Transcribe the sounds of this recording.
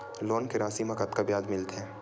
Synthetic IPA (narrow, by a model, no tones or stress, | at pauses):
loːnkeɾaːsimɐkət̪kabjaːd̪mɪlt̪ɦɛ̃ː